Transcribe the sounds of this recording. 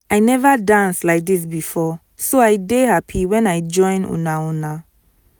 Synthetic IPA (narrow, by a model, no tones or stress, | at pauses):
ajnɛvadãnslaɪk̚dis̬bifɔ | soaɪdehapʰiwɛ̃naɪd͡ʒɔ̃ɪ̃nṵ̃nauna